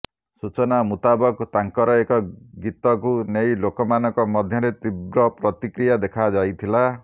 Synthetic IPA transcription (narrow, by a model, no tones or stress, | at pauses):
sut͡ʃɔnamut̪abɔkt̪aŋkɔɾɔekɔɡit̪ɔkunejlokɔmanɔŋkɔmɔd̪ʱjʌɾet̪ibɾɔpɾɔt̪ikɾijad̪ekʰad͡ʒajt̪ʰila